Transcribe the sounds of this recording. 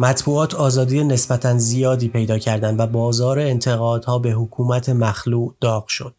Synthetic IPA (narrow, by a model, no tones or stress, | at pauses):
mæt̪ʰbuːɒːt̪ʰɒːzɒːd̪ijene̞sbæt̪ʰænzijɒːd̪iːpʰe̞jd̪ɒːcʰæɾd̪ænd̪væbɒːzɒːɾeːnt̪ʰe̞ɣɒːd̪̥hɒːbe̞ɦokʰuːmæt̪ʰe̞mæxluːʔd̪̥ɒːɡ̥ʃo̞d̪̥